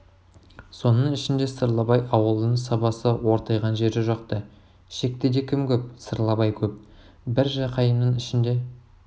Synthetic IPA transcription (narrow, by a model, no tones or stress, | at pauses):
so̞nəɴɪʃɪnd̪e̞səɾlˠɑbɑjʔɑwəlˠd̪əɴsɑpɑsəwo̞ɾt̪ɑjʁɑnʒe̞ɾɪʒɑqt̪ə | ʃe̞k̚t̪ed̪e̞kʲʰɪmkʲɵp̚səɾlˠɑbɑjkʲʰɵp̚ | bɪɾʒɑqʰɑjəmnəɴɪʃɪnd̪e̞